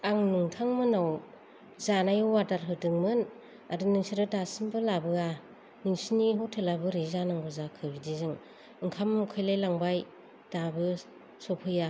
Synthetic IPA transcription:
aŋnuŋtʰaŋmɯnaw | zanajɯwwadaɾɦɯdɯŋmɯn | adɯnɯŋsiɾɯdasɯmbɯlabɯa | nɯŋsiniɦowtʰelabɯɾizanaŋbɯzakʰɯɾidizɯŋ | ɯŋkʰamkʰɯjlajlaŋbaj | d̥abɯ | sopʰɯja

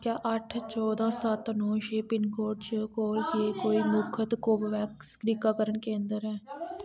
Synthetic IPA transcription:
kjaːʔəʈʰt͡ʃɔːd̪ãːsət̪nɔ̃ːʃeːpɪnkoːɖt͡ʃəkoːljeːkoːiːmʊkʰət̪koːbʋɛːkskɾiːkaːkəɾəɳkẽːnd̪əɾɛː

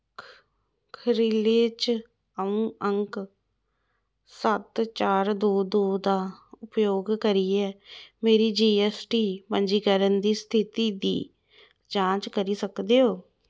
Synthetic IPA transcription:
kʰəɾiːleːt͡ʃ | əũːəŋk | sət̪t͡ʃaːɾd̪oːd̪oːd̪aːʊpjoːɡkəɾiːɛːmeːɾiːd͡ʒiːɛːsʈiːpəɲd͡ʒiːkəɾənd̪iːst̪ʰɪt̪iːd̪ḭː | t͡ʃãːt͡ʃkəɾiːsəkd̪eːoː

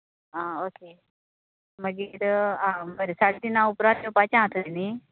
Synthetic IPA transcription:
aoke | məɡiɾaməɾesaɽd̪inaupɾat̪jopat͡ɕãt̪ʰəd̪ini

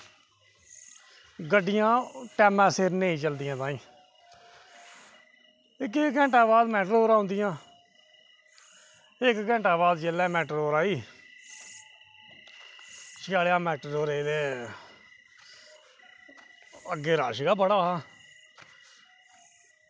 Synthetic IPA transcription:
ɡəɖɪjãːʈɛːmãːseɾnẽːĩːt͡ʃəld̪ɪjãːt̪ãːĩː | ɪkeɡɛ̃ːɳʈaːbaːd̪mɛːʈəɾoːɾaːõnd̪ɪjãː | ɪkɡɛ̃ːɳʈaːbaːd̪d͡ʒeːlɛːmɛːʈəɾoːɾaːiː | t͡ʃɪaːlejãːmɛːʈəɾoːɾeːd̪eː | əɡːeːɾaːʃɡaːbəɽaːɦaː

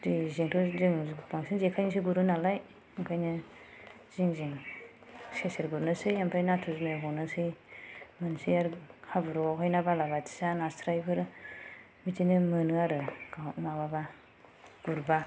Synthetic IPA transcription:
dizeŋtʰuziŋbaŋsinzekʰajnis̬iɡuɾɯnalaj | aŋpʰajnɯ | ziŋziŋ | seseɾɡuɾnɯsɯjampʰajnatʰuznɯɦɔnɯsɯjmɯnsijaɾhabɯɾɔawkʰajnabalabatʰi̥sanastʰɾajbɯɾ | mitʰinɯmɯnɯaɾɯɡamababa | ɡ̥uɾba

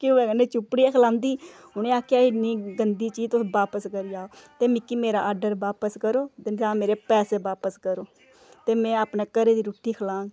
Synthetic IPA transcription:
kɪoɛːɡəneːt͡ʃʊpːɽiːɛːkʰlãːnd̪iː | ʊnẽːaːkʰjaːɪniːɡənd̪iːt͡ʃiːt̪oʋaːpəskəɾijaːoːt̪eːmɪkːiːmeːɾaːaːɾɖəɾʋaːpəskəɾoːd̪ɪnd͡ʒaːmeːɾeːpɛːseːʋaːpəskəɾoː | t̪eːmɛ̃ːaːpneːkəɾeːd̪iːɾʊːʈʰːiːkʰəlãːɡ

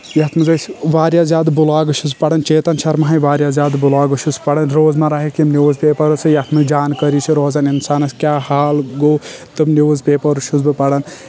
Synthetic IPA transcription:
jɐt̪ʰmɨzɐsʰʋaːɾjaːzʲjaːd̪bulaːɡɨʃuzpɐɽɐnt͡ʃeːt̪ɐnt͡ʃʰɐɾmɐɦɐjʋaːɾjaːzʲjaːd̪bulaːɡɐʃuzpɐɽɐnɾoːzmaɾaɦikimniwzbʲeːpɐɾɨt͡sʰijɐt̪ʰmɐd͡ʒaːnkɐɾit͡ʃʰiɾoːzaninsaːnɐskʲjaːhaːlɡoːt̪ɨmnizbʲeːpɐɾuʃuzbɨpɐɽɐn

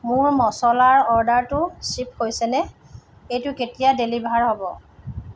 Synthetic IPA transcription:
mʊɹmɔsɔlaɹɔɹdaɹtʊsip̚hojsɛnɛ | ejtʊketijadelibʱaɹɦobɔ

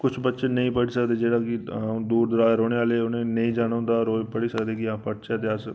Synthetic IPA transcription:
kʊt͡ʃʰbət̪ːʃenɐɦĩpɐɽisəkd̪ed͡ʒeːɽakiɦãd̪uːɾd̪ɾaːjɾoːɽeaːleʊnẽnɐɦĩd͡ʒaːñʊ̃nd̪aɔɾoːpɐɽisɐkd̪ekiãpɐɽt͡ʃəd̪eas

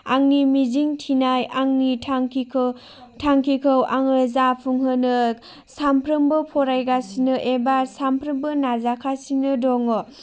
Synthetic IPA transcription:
a̰ŋnimiziŋtʰinajaŋnitʰa | tʰaŋkʰikʰɯwʔa̰ŋɯzapʰuŋɦɯnɯ | sampʰɾɯmbɯpʰɔɾajɡasinɯʔebasampʰɾɯmbɯnazakʰasinɯdɔŋo

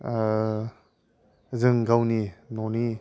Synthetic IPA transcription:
zɯŋɡawninɔni

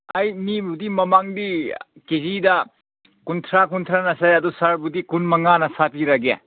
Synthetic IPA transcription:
ajnibudimɐmaŋdi | kezidɐ | kuntʰɾakuntʰɾanɐsajɐdusaɾbudikunmɐŋanɐsapiɾɐɡḛ

